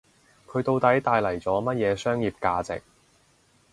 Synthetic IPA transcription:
kʰɵ˨˧ɥt̪o˧wt̪ɐ˨˥jt̪aː˧jlɐ˨˩jt͡sɔː˨˥mɐ˥t̚jɛː˨˧sœː˥ŋjiː˨p̚kaː˧t͡sɪ̰˨k̚

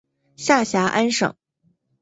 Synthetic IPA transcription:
ɕja˥˩ɕja˧˥ʔa˥nʂɤ̰˨˩˦ŋ

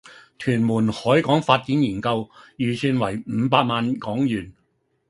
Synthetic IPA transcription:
t̪ʰyː˨˩nmuː˨˩nhɔː˨˥jkɔː˨˥ŋfaː˧t̚t͡siː˨˥njiː˨˩nkɐ˧wjyː˨˩sʰyː˨nwɐ˨˩jm̩ː˨˧˥paː˧t̚maː˧nkɔː˨˥ŋjyː˨˩n

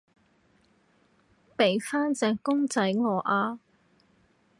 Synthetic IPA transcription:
pe˨jfaː˥nt͡sɛː˧˩ŋkʊ˥ŋt͡sɐ˨˥jŋɔː˨˧ʔaː˧

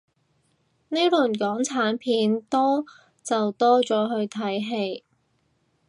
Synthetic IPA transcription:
ne˥lɵ˨˩nkɔː˨˥ŋt͡sʰaː˨˥npʰiː˨˥nt̪ɔː˥ | t͡sɐ˨wt̪ɔː˥t͡sɔː˨˥ɦɵ˧ɥt̪ʰɐ˨˥jɦe˧j

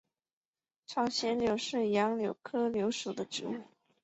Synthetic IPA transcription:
ʈ͡ʂʰɑ˥˩ʊŋɕjɛ˧˥nljo˧˥ʊʂɻ̩˥˩jɑ˧˥ŋljo˧˥ʊkʰɤ˥ljo˧˥ʊʂu˨˩d̪ə˦ʈ͡ʂɻ̩˧˥u˥˩

